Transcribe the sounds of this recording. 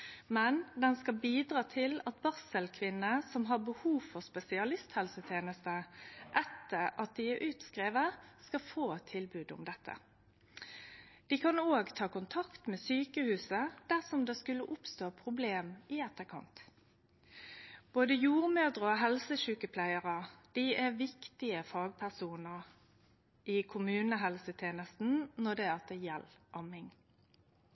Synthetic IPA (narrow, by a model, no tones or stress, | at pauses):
mɛnd̪ɛnskɑbiːd̪ʁɑːt̪ʰɪlɑt̪̚bɑʁsəlkʰʋɪnəsɔmɦɑʁbəhuːʋfɔʁspɛsɪɑlɪst̪hɛlsət̪ʰeːnəst̪əʔɛt̪ːəʁɑt̪̚d̪iæʔʉːt̪skʁeːʋəʁskɑfoːt̪ʰːɪlbʉːd̪ʊ̰md̪ɛt̪ʰːə̰ | d̪̥iːkʰɑnoːɡt̪ʰɑːkʊnt̪ʰɑkt̪meːsyːkəhʉːsəd̪̥æʁsɔmd̪eskʉlːəʔʊpst̪oːpʰʁʊbleːmɪɛt̪ːəʁkʰɑ̰nt̪ | b̥oːd̪əjuːʁmøːd̪ʁəoɦɛlsəʃʉːkəpʰlæɪəʁəd̪̥iæʋɪkt̪ɪəfɑːɡ̚pʰæʁsuːnəʁ | ʔɪkʰʊmʉːnəɦɛlsət̪ʰeːnəst̪n̩nɔd̪ɛæɑt̪ɛjɛlʔɑmɪŋ